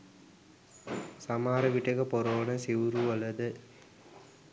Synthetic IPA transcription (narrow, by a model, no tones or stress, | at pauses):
sɐmaːɾɐʋɪʈːɐkːɐpɔɾoːnɐsiʋɾuɐlːɐðɯ